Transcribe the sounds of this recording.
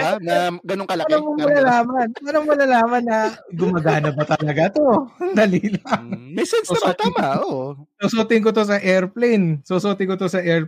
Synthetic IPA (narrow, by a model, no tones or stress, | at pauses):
anɐɡɐnoŋkɐlɐnoŋmomɐlɐlaːmɐnʔɐnoŋmɐlɐlaːmɐnːɐɡʊmɐɡaːnɐbɐt̪ɐlɐɡat̪o̞d̪ɐliːlɐŋmɛjsɛnssot̪ɪŋaososoːt̪ɪŋk̬ot̪o̞s̬ɐʔɛɹplejnsosoːt̪ɪŋkot̪o̞sɐʔɛɹ